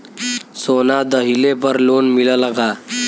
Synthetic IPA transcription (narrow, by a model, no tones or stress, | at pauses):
sonad̪əɦilepəɾlonmiləlaɡa